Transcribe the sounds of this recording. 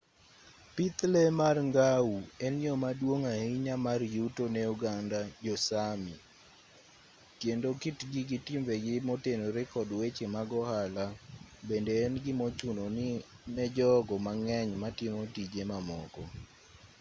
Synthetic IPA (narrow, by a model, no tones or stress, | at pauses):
pit̪lɛmarŋɡauɛnjɔmadwoŋahiɲamarjutonɛuɡandad͡ʒɔsami | kjendokitɡiɡɪtɪmbeɡɪmotenoɾɪkɔdwet͡ʃemaɡɔhalabendeːnɡɪmot͡ʃunonɪ | mɛd͡ʒɔɡɔmaŋɛɲmatɪmotid͡ʒemamɔ̰kɔ